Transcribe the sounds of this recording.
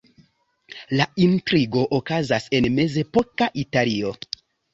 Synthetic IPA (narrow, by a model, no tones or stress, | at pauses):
laintɾiɡo̞ʔokazase̞nme̞ze̞po̞kaʔitalio̞